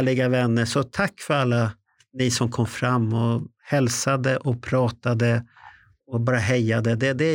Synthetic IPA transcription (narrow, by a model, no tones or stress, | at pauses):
ɭɪɡavɛnːəʂɔt̪ʰakːfœɾalːa | nɪsɔmkʰɔmːfɾamːɔ | hɛlsad̪əʔɔpʰɾɑːt̪ad̪ə | ɔbɑːɾaɦɛjːad̪əd̪ɛd̪ɛ